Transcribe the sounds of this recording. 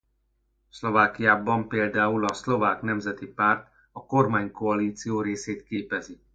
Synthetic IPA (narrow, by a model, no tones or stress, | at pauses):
slo̞vaːkijaːbɒmpeːld̪aːulɒslo̞vaːknɛmzɛt̪ipaːrt̪ | ɒko̞rmaːɲko̞ɒliːt̪sijoːɾeːseːt̪keːpɛzi